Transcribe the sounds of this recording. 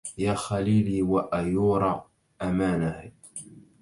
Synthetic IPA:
jaːxaliːliwaʔajuːɾˤɑ | ʔamaːnah

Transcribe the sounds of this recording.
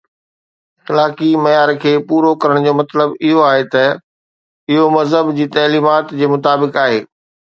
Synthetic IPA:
xɪlaːkimɐjaːɾkʰeːpuːɾokɐɾəɽ̃d͡ʑoːmɐt̪ləbɪɦoaːɦet̪ɐ | ɪɦomɐzɦəbd͡ʑiːt̪ɐːliːmaːt̪d͡ʑeːmʊt̪aːbɪkaːɦeː

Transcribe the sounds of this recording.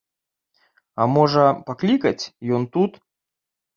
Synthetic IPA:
amɔʐɐpaklʲikɐt͡sʲjɔnt̪ut̪

